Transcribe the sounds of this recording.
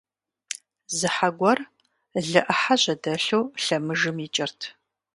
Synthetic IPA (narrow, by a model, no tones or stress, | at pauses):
zɨħaɡʷɔr | ɮɨʔɐħaɕʼɐdɐɬuwɬɐmɨʒɨmit͡ʃʼɪrtʰ